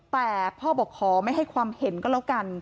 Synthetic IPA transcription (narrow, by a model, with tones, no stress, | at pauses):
t̪ɛː˨˩pʰɔː˥˩bɔː˨˩kʰɔː˩˦ma˥˩jɦa˥˩jkʰwaː˧mhe˩˦nkɔː˥˩lɛ˦˥wka˧n